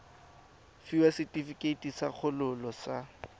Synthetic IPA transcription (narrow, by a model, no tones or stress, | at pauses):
fiwasɪtʼifikʼetʼisak͡xʰʊlʊlɔsa